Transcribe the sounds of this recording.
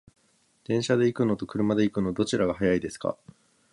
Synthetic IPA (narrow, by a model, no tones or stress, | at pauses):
d̪̥ẽ̞ɰ̃ɕad̪e̞ikɯ̟no̞t̪o̞kɯ̟ɾɯ̟mad̪e̞ikɯ̟no̞d̪o̞t͡ɕiɾaɡahajaid̪e̞sɨ̥ka̰